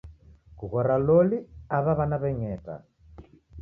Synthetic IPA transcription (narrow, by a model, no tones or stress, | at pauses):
kuɣɔɾalɔliaβaβanaβɛŋɛta̰